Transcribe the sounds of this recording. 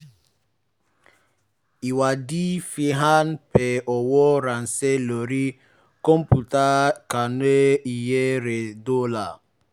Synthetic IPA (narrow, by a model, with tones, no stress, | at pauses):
i˨wa˨di˦fi˦ɦa˦npe˨ʔɔ˨wɔ˦ɾa˨n̩˨se˦lo˨ɾi˦ | ko˦m̩˦pu˨ta˦ka˨n˦e˦i˨je˦ɾe˨do˦la˨